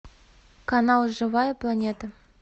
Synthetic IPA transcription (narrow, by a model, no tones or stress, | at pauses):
kanɑlˠʐɨvɑjəplˠanʲet̪ə